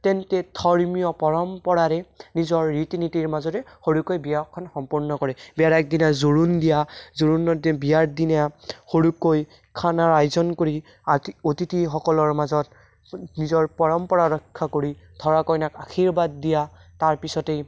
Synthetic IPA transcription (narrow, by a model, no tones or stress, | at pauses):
tɛntɛdʰʱɔɹmijɔpɔɹɔmpɔɹaɹɛnizɔɹːitinitiɹmazɔɾɛxoɹukojbijakʰːɔnxɔmpuɹnɔkɔɹɛbiaɹak̚dinazoɹundijazoɹunɔdbijaɹdinaxoɹukoj | kʰanaɹajzɔnkoɹi | otitixɔkɔlɔɹmazɔt | nizɔɹpɔɹɔmpɔɹaɹɔkʰːakoɹi | dʱɔɹakɔjnakaxʰiɹbad̚ːijataɹpisɔtej